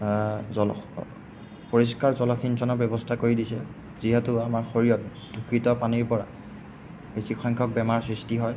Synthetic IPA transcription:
zɔl | poɹiskaɹzɔlɔkʰinsɔnɔbjɛbɔstʰakoɹidisɛ | ziɦɛtʊamaɹxoɹijɔt̚ | dukʰitɔpaniɹpɔɹa̰ | besikʰɔjŋkʰɔk̚bɛmaɹsɹistiɦɔj

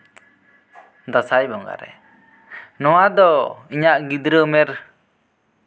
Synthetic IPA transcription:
d̪asajbɔŋɡa̰ɾɛ̰ | nɔwad̪ɔiɲaʔɡid̪ɾəmɛɾ

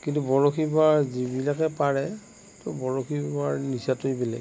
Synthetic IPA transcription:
kintubɔɹoxʰibaɹzibilakɛpaɹɛ | tʊbɔɹokʰibaɹnisatojbɛlɛ̰

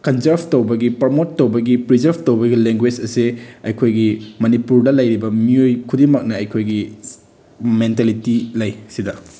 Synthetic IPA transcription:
kɐnzɐɾbʱtowbɐɡipɐɾmotːɐwbɐɡipɾizɐɾbtowbɐɡileŋɡwed͡ʒɐsiɐjkʰojɡimɐnipuɾdɐlɐjɾibɐmiojkʰudimɐk̚nɐɐjkʰojɡi | mentalitilɐjsidɐ

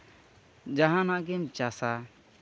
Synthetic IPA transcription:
d͡ʒaɦãnaɡemt͡ʃasa

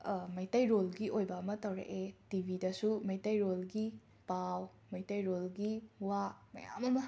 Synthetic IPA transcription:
mɐjtɐjɾolɡiʔojbɐɐmɐtɐwɾɐ̰ʔetibʱidɐsumɐjtɐjɾolɡi | paw | mɐjtɐjɾolɡiwamɐ̰ja̰mɐmɐ

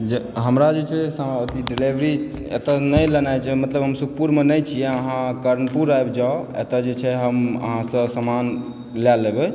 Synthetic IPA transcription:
d͡ʒeɦəmɾad͡ʒet͡ʃʰɛsə̃ət̪iɖilebɾi | ḛt̪ənəjlənajt͡ʃʰɛmət̪ləbɦəmsuk̚ʰpuɾmenəjt͡ʃʰijɛəɦãkəɾənpuɾajbd͡ʒaoḛt̪əd͡ʒet͡ʃʰɛɦəmə̰ɦãsə̃səman | lalːebɛ

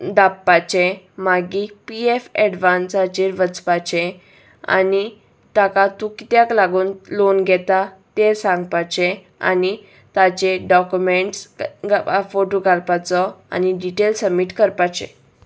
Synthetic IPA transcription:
d̪apːat͡ɕẽ | maɡiːpiefɛɖʋansat͡ɕiːɾʋət͡spat͡ɕẽ | a̰ni | t̪akat̪ukit̪jaklaɡuːnlonɡʱɛt̪at̪esãŋɡpat͡ɕe | a̰ni | t̪at͡ɕeɖɔkjumeɳʈsɡfoʈoɡʱalpat͡sɔa̰niɖiʈelsəmiːʈkəɾpat͡ɕḛ̃

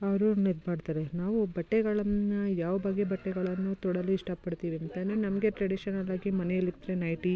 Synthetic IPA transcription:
ɐɾuned̪bʱaːɖt̪ɐːɾenaːʋubɐʈːeɡɐɭɐnːɐjaːʋɐbɐɡebɐʈːɛɡɐɭɐnːut̪ɔɽɐluiʂʈɐpɐɽt̪iːʋiɐnt̪ɐnɐnɐmɐɡe̞ʈɾɐɽiʃɐnɐlːaːɡimɐnejɐlːid̪ɾenɐjʈi

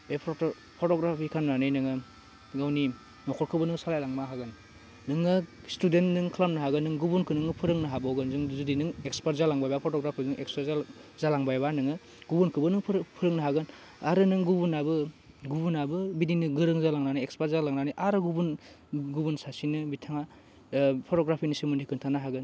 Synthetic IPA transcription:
bepʰ | pʰɔtɔɡɾapʰikʰanmnanɯjnɯŋɯ | ɡawni | nɔkʰɔɾkʰɯbɯnɯŋsalajlaŋmaɦaɡɯnː | ɯŋɯ | studentnɯŋkʰlamnɯɦaɡɯnːɯŋɡubunkʰɯnɯŋɯpʰɯɾɯŋnɯɦabɔwɡɯnzɯŋzudinɯŋek̚spat̚zalaŋbajbapʰɔtɔɡɾapʰizɯŋʔekspazzalaŋbajbanɯŋɯ | ɡubunkʰɯbɯnɯŋʰpʰɯɾɯŋnɯɦaɡɯn | aɾɯnɯŋɡubunabɯ | ɡubunabɯbidinɯɡɯɾɯŋzalaŋnaniekspatzalaŋnaniʔaɾɯɡubun | ɡubunsasinɯbitʰaŋa | pʰɔtɔɡɾapʰinisimɯnikʰɯntʰanaɦaɡɯn

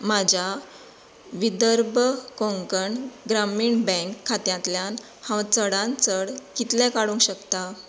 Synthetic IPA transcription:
mad͡ʑʱa | ʋid̪əɾbəkõŋkəɳɡɾamiːɳbɛ̃kʰːat̪jãt̪ljan | hãwt͡səɽãnt͡səɽkit̪lɛ̃kaɽũŋkɕəkt̪a

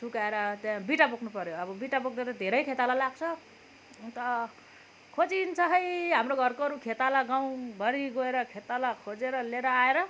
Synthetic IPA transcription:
sukaeɾʌt̪jãbiʈapokʰnupʌɾjoʌbʌbiʈapok̚d̪eɾʌd̪ʱeɾʌjkʰet̪alalaɡt͡sʰʌ | t̪ʌ | kʰod͡zint͡sʰʌɦʌjɦamroɡʱʌrkoʌɾukʰet̪alaɡaw̃ɡʱʌɾiɡoeɾʌkʰet̪alakʰod͡zeɾʌleɾʌaeɾʌ

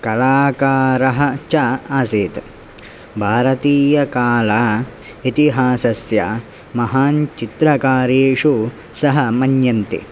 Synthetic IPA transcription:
kɐlaːkaːɾɐɦɐ̆t͡ʃaaːseːt̪ | bʱaːɾɐt̪iːjɐkaːlaː | it̪iɦaːsɐsja | mɐɦaːnt͡ʃit̪ɾɐkaːɾeːʂu | sɐɦɐmɐnjɐnt̪ḭ

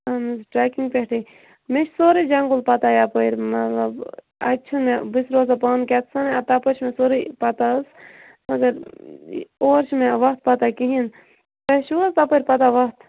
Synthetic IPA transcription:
amizʈɾaːkiŋɡpʲeʈʰi | met͡ʃʰsoːɾid͡ʒɐŋɡulpɐt̪ajapɐɾʲmɐt̪lɐb | ɐ̰tːt͡ʃʰunmebisɾoːzapɐːnkʲɛt̪ʰsɐnɐt̪ɐpəɾt͡ʃʰmẽsoɾipɐt̪as | ɐɡɐɾ | oːɾt͡ʃʰmẽʋɐkt̪̚pɐt̪akiɦin | t̪ɐʃuzt̪apəɾʲpɐt̪aʋɐkt̪ʰ

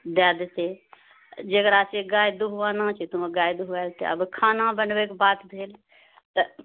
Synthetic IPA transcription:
d̪aːd̪et̪eː | d͡ʒəɡəɾaːt͡ʃeɡaːed̪uɦʋaːnãːt͡ʃʰit̪ʊmeɡaːjd̪uɦʋɛːlt̪ḛɐ̰bkʰaːnãːbənʋeːkbaːt̪d̪ʱeːl | t̪ə

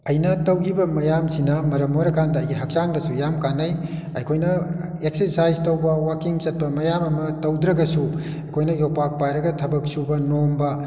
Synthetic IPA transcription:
ɐjnɐtɐwɡibɐmɐjamsinɐmɐɾɐmaɾɐkʰandɐːjɡiɦɐk̚t͡ʃaŋdɐsujamkanɐj | ɐjkʰojnɐek̚sesajztɐwbɐwakiŋt͡ʃɐt̚pɐmɐjamɐmɐtɐwdɾɐɡɐsu | ɐkʰojnɐjopak̚pajɾɐɡɐtʰɐbɐk̚subɐnombɐ

